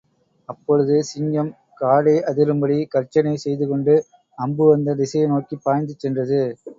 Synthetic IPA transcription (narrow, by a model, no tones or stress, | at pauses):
ɐpːɔɻɯðɯsɪɲɡɐm | kaːɽɐɪʔɐðɪɾɯmbɐɽikɐɾt͡ʃːɐnɐɪsɛjðɯkɔɳɖɯ | ɐmbɯʋɐnd̪ɐðɪsɐjɐnoːkipːaːjnd̪ɯt͡ʃːɛndrɐðɯ